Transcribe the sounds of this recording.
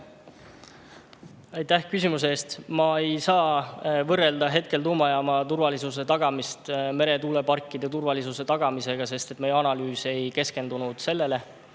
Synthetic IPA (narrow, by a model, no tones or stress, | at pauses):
ɑjt̪ːæhkysʲimus̬eːst̪mɑe̞jsɑːvɤrːeld̪ɑɦe̞t̪̚ke̞lt̪uːmɑjɑːmɑt̪uɾvɑlisuse̞t̪ɑɡ̥ɑmist̪me̞ɾe̞t̪uːle̞pɑrkːˑid̪̥e̞t̪urvɑlisuse̞t̪ɑɡ̥ɑmise̞ɡ̥ɑse̞st̪e̞t̪ːˑme̞jeɑnɑlyːse̞jke̞ske̞nd̪unud̪̥se̞lːe̞le̞